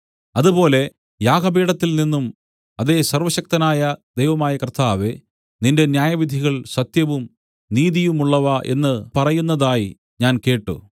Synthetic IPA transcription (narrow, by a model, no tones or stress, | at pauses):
ɐðubo̞ːle̞ | jaːɡɐbiːɽɐt̪ːilninːum | ɐðe̞ːsɐrʋɐɕɐk̚t̪ɐnaːjɐd̪ejʋɐmaːjɐkrt̪aːʋe | ninde̞njaːjɐʋid̪ʱiɣɐɭsɐt̪jɐʋum | niːðijumuɭːɐʋɐʔe̞̰nːɨpɐrɐjunːɐðaːji | ɲaːnke̞ːʈːṵ